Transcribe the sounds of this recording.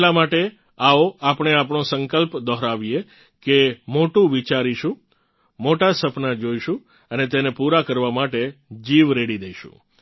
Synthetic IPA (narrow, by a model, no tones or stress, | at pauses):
lamaʈe | aoapɳ̃eapɳosəŋkəlpd̪ɔɦɾaʋije | kemoʈũʋit͡ʃaɾiʃũ | moʈasəpnad͡ʒoiʃũ | ənet̪enepuɾakəɾʋamaʈed͡ʒiʋɾeɽid̪ejʃṵ̃